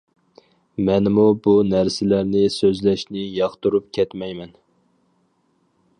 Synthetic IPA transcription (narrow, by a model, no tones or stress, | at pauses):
mɛnmubunæɾsɪlæɾnɪsøzlɛʃnɪjɑχt̪uɾupkʲʰɛt̪mɛjmɛn